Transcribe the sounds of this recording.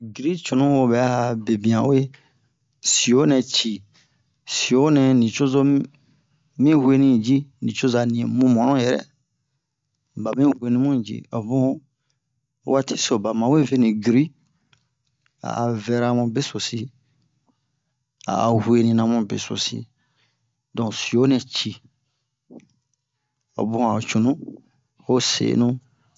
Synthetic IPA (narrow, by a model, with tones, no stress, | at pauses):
ɡi˨ɾi˦t͡ʃo˨nũ˦wo˧bɛ˨a˦˨be˨bĩ˨ã˨we˦ | si˨o˦nɛ̃˨t͡ʃi˨ | si˨o˨˦nɛ̃˨nĩ˨t͡ʃo˦zo˦ | mĩ˦hwe˦nĩ˦d͡ʒi˦nĩ˨t͡ʃo˦za˨nĩ˨ɛ̃˨mũ˦mɔ̃˨nɔ̃˦jɛ˨ɾɛ̰˦ | ba˨mĩ˦hwe˧nĩ˦mũ˦˨d͡ʒḭ˦a˨bũ˦ | wa˦ti˦so˨ba˨mã˨˦we˦ve˦nĩ˨ɡɾi˦ | a̰˨a˨vɛ˧ɾa˦˧mũ˧be˦so˨si˦ | a̰˨a̰˨hwe˨nĩ˧nã˧mũ˦bḛ˨so̰˨sḭ˧ | dɔ̃˨si˨o˦nɛ̃˨t͡ʃi˨ | o̰˨bũ˦˨a˨o˨t͡ʃu˨nũ˦ | ho˦sḛ˨˦nũ˦